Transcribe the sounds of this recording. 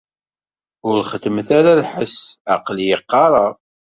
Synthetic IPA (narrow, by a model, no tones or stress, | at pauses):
ʊɾχəd̪əmθaɾalħəsɑqljəqːɑɾˤɑˤ